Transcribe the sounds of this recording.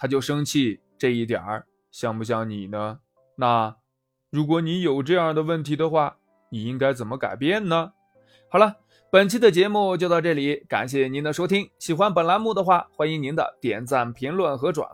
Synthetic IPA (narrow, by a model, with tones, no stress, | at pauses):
t̪ʰa˥t͡ɕjo˥˩ʊʂɤ˥ŋt͡ɕʰi˥˧ | ʈ͡ʂɤ˥˧i˥˩t̪jɑ̰˨˩˦ | ɕjɑ˥˩ŋpu˧ɕ̬jɑ˥˩ŋni˨˩nə˦ | na˥˩ | ɻu˧˥k̬wɔ˧˥ni˧˥jo˨˩ʊʈ͡ʂɤ˥˧jɑ˥˩ŋd̪ə˩wə˥˩nt̪ʰi˧˥d̪ə˧xwa˥˩ | ni˨˩i˥ŋka˥ɪt͡sə˨˩nmə˦ka˨˩ɪpjɛ˥˩nnə˩ | xɑ˨˩ʊlə˦ | pə˨˩nt͡ɕʰi˥˩d̪ə˩t͡ɕjɛ˧˥mu˥˧t͡ɕjo˥˧ʊt̪ɑ˥˧ʊʈ͡ʂɤ˥˩li˨˧˥ka̰˨˩nɕjɛ˥˩ni˧˥nd̪ə˨ʂo˥t̪ʰi˥ŋɕi˨˩xwa˥npə˨˩nla˧˥nmu˥˩d̪ə˩xwa˥˩xwa˥ni˧˥ŋni˧˥nd̪ə̰˧t̪jɛ̰˨˩nt͡sa˥˩npʰi˧˥ŋlwə˥˩nxɤ˧˥ʈ͡ʂwa̰˨˩n